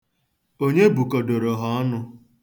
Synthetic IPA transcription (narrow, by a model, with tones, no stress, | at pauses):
o˦ɲe˦bu˨ko˨do˨ɾo˨ɦɔ˦ɔ˦nʊ˦